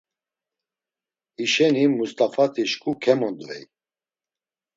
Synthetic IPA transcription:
iʃɛnimust̪ʼafat̪ʰiʃkʼukʰɛmɔnd̪vɛj

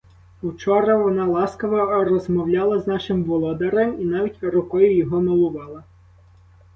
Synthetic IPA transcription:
ut͡ʃɔɾɐʋɔnɑlˠɑskɐʋɔrɔzmɔwlʲaɑlˠɐznɑʃɪmʋɔlˠɔd̪ɐɾeminɑʋʲitʲrʊkɔjʊjɔɦɔmɔlˠʊʋɑlˠɐ

